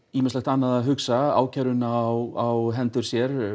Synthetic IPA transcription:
iːmɪnslɛxt̪anːaðaɦʏksaa̰ːwcʰaɾʏnawawɦɛnt̪ʏɾ̥sjɛɾ

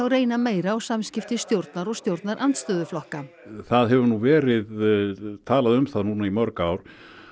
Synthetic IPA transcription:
θawreːjnameːjɾaɔɣsamscɪft̪ɪst̪jowɾt̪naɾɔɣst̪jowɾt̪naɾʔant̪st̪œːðʏflɔhka | θaðɦɛvʏɾnuvɛːɾɪðt̪ʰaːlaðʏmθaðnuːnaimœɾkaːwɾ̥

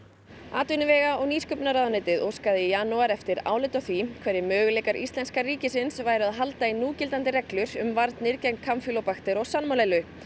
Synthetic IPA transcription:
a̰ːt̪ʏnʏvɛːɣaʔɔɣniːskʏpnaɾaðnɪjt̪ɪðʔoskaðɪjaːnuaɾɛft̪ɪɾa̰ːwlɪjt̪ɔθvikʰvɛɾːɪmœːɣʏlejkaɾʔḭst̪lɛnskariːcɪsɪnsvaːjɾʏaðɦalt̪ainuːcɪlt̪ant̪ɪɾɛklʏɾʏmvaɾt̪nɪɾcɛjk̚nkʰamfjʏlɔwpaxt̪ɪɾɔɣsanmawlejlʏ

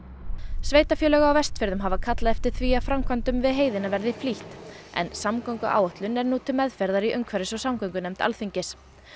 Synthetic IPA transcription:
sveːjt̪afjœːlɛːɣaawvɛst̪fɪɾðʏmɦavakʰat̪laðɛft̪ɪɾ̥θviaðfɾamkʰvant̪ʏmvɪðɦeːjðɪnavɛɾðɪfliht̪ | ɛ̰nsamkawŋkʏʔa̰ːwɔht̪lʏnɛɾnuːt̪ʰɪlmɛðfɛɾðaɾiʔʏŋkʰvɛɾɪsɔɣsamkœŋkʏnɛjmt̪a̰lθiɲcɪs

